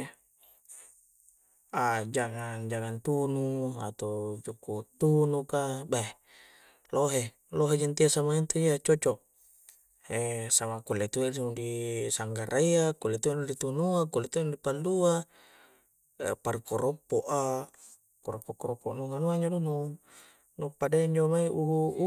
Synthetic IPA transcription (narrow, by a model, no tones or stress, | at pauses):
ad͡ʒaŋand͡ʒaŋant̪unua̰t̪od͡ʒukut̪unukaba | loɦe | loɦed͡ʒant̪iasamaint̪uiat͡ʃot͡ʃoʔ | esamakulet̪uesimudisaŋɡaɾʔaiakulːet̪ueʔnudit̪unuakulːet̪uendipalːua | parkoɾɔpːoʔa | koɾɔpːokɔɾɔpːoʔnuŋanuaɲd͡ʒodunu | nupadeɲd͡ʒomaiuɦu